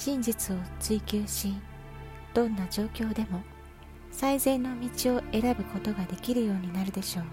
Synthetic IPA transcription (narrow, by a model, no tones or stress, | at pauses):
ɕĩɲd͡ʑit͡sɨo̞t͡sɨikʲɨːɕi | d̪̥õ̞nːad͡ʑo̞ːkʲo̞ːd̪e̞mo̞ | saize̞ːnːo̞mʲit͡ɕio̞e̞ɾabɯ̟ko̞t̪o̞ɡad̪e̞kʲiɾɯ̟jo̞ːɲ̟inaɾɯ̟d̪e̞ɕo̞ː